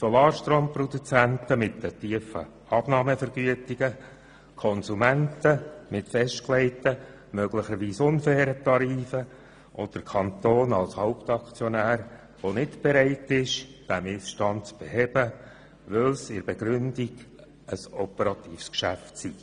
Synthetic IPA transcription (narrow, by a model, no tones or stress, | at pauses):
sɔlɑːɾʃtɾoːmpɾɔd̪ut͡sænt̪əmɪtːətiəfə̰ | ɑb̥nɑːməfəɾɡ̥yətiɡ̥ə | kʰɔnsumæntəmɪtfɛʃtklɛɪtə | møɡ̥ləχəɾʋiːsʊnfɛːɾətɑɾiːfə | ʔod̥əɾkʰɑnt̪oːnɑlshaʊpt̪ɑkt͡sjɔnæːɾ | ʋonɪtb̥ɛɾɛɪtɪʃd̥æmɪsʃtɑnt̚t͡sb̥ɛɦɛb̥ə | ʋɪlsɪɾbɛɡɾʏnd̥iɡ̥ | əsɔpɛɾɑt̪iːfskʃæ̰ftsi